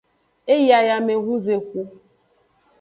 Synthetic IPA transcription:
e˦ji˦a˨ja˨me˨ɣu˦ze˨ku˦

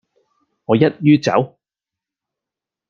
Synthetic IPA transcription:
ŋɔː˨˧jɐ˥t̚jyː˥t͡sɐ̰˨˥w

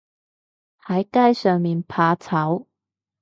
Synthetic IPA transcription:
hɐ˨˥jkaː˥jsœː˨ŋmiː˨npʰaː˧t͡sʰɐ˨˥w

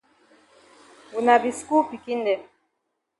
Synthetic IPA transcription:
u˨na˨bi˨sku˦pi˨ki˦ndɛ˨

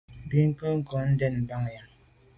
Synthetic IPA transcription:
bi˦ŋ̩˦kə˦ŋ̩˦kɔ˨˦n̩˦dɛ˦˨nm̩˨ba˦ŋ˨ja˨

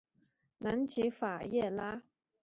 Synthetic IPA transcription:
na˧˦˥nt͡ɕʰi˧˥fa˨˩jɛ˥˩la˦˥

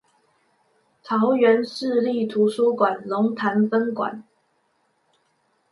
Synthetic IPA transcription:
t̪ʰɑ˧˥ʊɥɛ˧˥nʂɻ̩˥˧li˥˩t̪ʰu˨˧˥ʂu˥kwa˨˩nlʊ˧˥ŋt̪ʰa˧˥nfə˥nkwa̰˨˩˦n

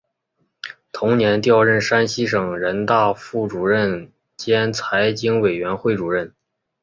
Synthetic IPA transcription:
t̪ʰʊ˧˥ŋnjɛ˧˥nt̪jɑ˥˧ʊɻə˥˩nʂa˥nɕi˥ʂɤ˨˩ŋɻə˧˥nt̪a˥˧fu˥˩ʈ͡ʂu˨˩ɻə˥˩n | t͡ɕjɛ˥nt͡sʰa˧˥ɪt͡ɕi˥ŋwe˨˩ɪɥɛ˧˥nxwe˥˩ɪʈ͡ʂu˨˩ɻə˥˩n

